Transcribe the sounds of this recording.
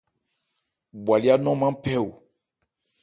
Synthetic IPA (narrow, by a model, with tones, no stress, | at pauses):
bwa˨li˦a˦nɔ̃˦mã˦pɛ˦˨u˨